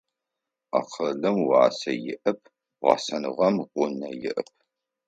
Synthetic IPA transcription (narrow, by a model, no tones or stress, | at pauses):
a̰ːqɐɮɨmwɑːsɐjɪ̰ʔɐp̚ʰ | ʁɑ̰ːsɐnɨʁɐmqʷʊnɐjɪʔəp̚ʰ